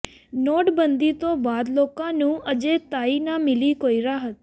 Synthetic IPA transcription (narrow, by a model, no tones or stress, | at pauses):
nɔʈbənd̪it̪obad̪lokãnũəd͡ʒet̪ainamɪlikoiɾaɦət̪̚